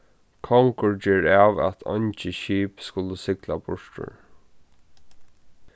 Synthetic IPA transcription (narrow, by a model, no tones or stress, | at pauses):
kʰɔŋkʊɹt͡ʃɛːɹaːʋæ̰t̪ʰɔ̰nt͡ʃɪʃiːpskʊləsɪkla̰bʊʂʈʊ̰ɹ